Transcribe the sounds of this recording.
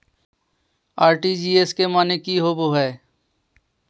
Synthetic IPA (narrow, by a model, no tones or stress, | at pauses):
aːɾʈid͡ʒiːeskemaːnekiɦoːboɦɛː